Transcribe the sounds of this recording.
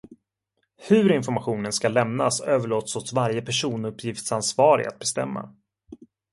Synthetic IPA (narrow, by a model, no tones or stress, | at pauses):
hɵɾɪnfɔɾmaɧuːnənskalɛmnasøːvəɭoːt̪sɔsvaɾjəpʰæʂuːnɵpʰːjɪft̪sansvɑːɾɪ̰a̰t̪̚bɛst̪ɛ̰mːa̰